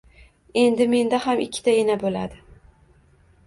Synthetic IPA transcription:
e̞nd̪ɪme̞nd̪ahamɪkʲʰːɪ̥t̪ʰaenabolad̪ɪ

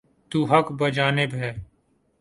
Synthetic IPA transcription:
t̪uːɦəkbəd͡ʒaːnɪbɦɛː

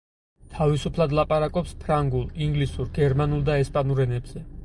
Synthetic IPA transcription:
t̪ʰavisupʰlˠad̪lˠapʼaɾakʼɔpspʰɾaŋɡulˠiŋɡlisuɾɡɛɾmanulˠd̪aɛspʼanuɾɛnɛbz̥ɛ

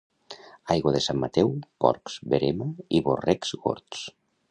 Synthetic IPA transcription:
ajɣoðesamːat̪ɛwpɔ̰ɾkz̥βeɾemaiβorɛkzɣo̰ɾt̪s

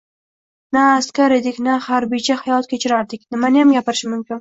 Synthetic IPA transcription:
naːst̪kʲʰaɾed̪ɪkʲnahaɾbijt͡ʃʰahajɒt̪̚kʲʰet͡ʃʰɪɾaɾd̪ɪkʲnɪmanɪjamɡʲapɪɾɪʃɪmʊmkʲɪn

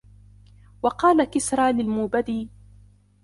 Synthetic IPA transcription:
wɑqɑːlakɪsɾˤɑːlɪlmuːbad̪iː

